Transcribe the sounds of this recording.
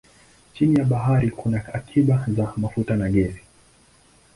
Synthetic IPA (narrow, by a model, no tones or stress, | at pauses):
t͡ʃinijaɓaɦaɾikʰunaakʰiɓazamafutanaɠɛzi